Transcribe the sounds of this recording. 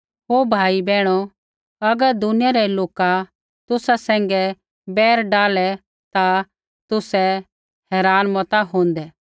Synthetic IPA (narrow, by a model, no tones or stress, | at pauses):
ɦoːbʱaːibɛːɽ̃ɔ | ɐɡəɾd̪ʊnɪjaɾɛloːka | t̪ʊsasɛ̃ːŋɡɛ | bɛːɾɖaːlɛ | t̪a | t̪ʊsɛ | hɛːɾaːnmɔt̪aɦõːnd̪ɛ